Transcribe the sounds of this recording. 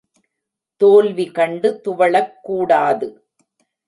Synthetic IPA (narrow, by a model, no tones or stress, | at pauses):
t̪oːlʋikɐɳɖɯt̪ʊʋɐɭɐkːuːɽaːðɯ